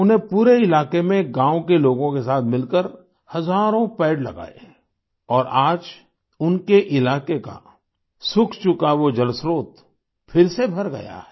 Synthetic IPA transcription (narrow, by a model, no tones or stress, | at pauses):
ʊnɦẽpuːɾeɪlaːkemẽɡãːwokeloːɡõkesaːt̪ʰmɪlkəɾ | hɐzaːɾõpɛːɖlɐ̰ɡa̰ːḛ | ɔːɾaːd͡ʒ | ʊnkeʔɪlaːkeka̰ | sʊkʰt͡ʃʊkaʋod͡ʒɐlsɾoːt̪ | fʰɪɾsebʱɐɾɡɐ̰ja̰ɦɛ